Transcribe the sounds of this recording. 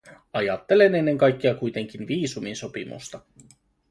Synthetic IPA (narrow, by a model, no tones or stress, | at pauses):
ɑjɑt̪ːe̞le̞ne̞nːe̞ŋkɑjk̟ːeɑkujt̪e̞ŋk̟inʋiːsuminso̞pḭmṵst̪ɑ